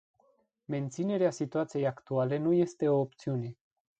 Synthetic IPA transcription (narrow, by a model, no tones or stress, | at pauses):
me̞nt̪sine̞ɾeasit̪uat̪sije̞jakt̪uale̞nuje̞st̪e̞o̞ːp̚t̪siune̞